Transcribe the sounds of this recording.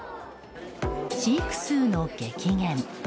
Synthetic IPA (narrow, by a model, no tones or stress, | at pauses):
ɕiikɯ̟̥sɨːnoːkekʲiŋẽm